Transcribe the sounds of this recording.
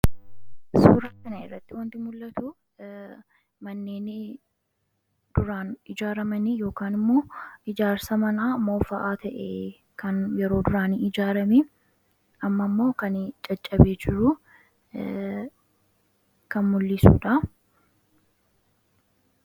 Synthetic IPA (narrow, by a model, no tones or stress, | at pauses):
suːɾɐkɐnɐɪrːɐt̪ːɪwɐnt̪ɪmʊlːɐt̪ʊ | mɐnːeːnɪ | d̪̥ʊɾaːnɪd͡ʒaːɾɐmɐnijo̞ːkaːnɪmːo̞ːɪd͡ʒaːɾsɐmɐnaːmo̞ːfɐʔaːt̪ɐʔe | kɐnjɛɾo̞ːd̪ʊɾaːniɪd͡ʒaːɾɐmi | ɐmːɐmːo̞ːkɐnt͡ʃʼɐt͡ʃʼːɐbeːd͡ʒɪɾʊ | kɐnmʊlːɪsṵːᶑɐ